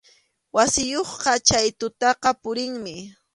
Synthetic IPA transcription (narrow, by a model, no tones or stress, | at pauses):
wasɪjoχqɑt͡ʃajt̪ʊt̪ɑqɑpʊɾɪŋmɪ